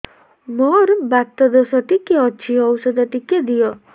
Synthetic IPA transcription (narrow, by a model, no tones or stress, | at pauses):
mɔɾubat̪ːɔd̪ɔsɔʈ̪ikːeɔt͡ʃʰiɔwsɔd̪ɔʈ̪iked̪ijɔ